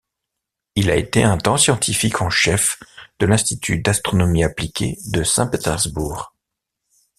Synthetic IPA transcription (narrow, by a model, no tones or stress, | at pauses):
ilaet̪eɛ̃t̪ɑ̃sjɑ̃t̪ʰifikʰɑ̃ʃɛfd̪̥əlɛ̃st̪it̪ʰyd̪ast̪χɔnɔmiaplikʲḛd̪əsɛ̰̃pet̪ɛʁzbuːʁ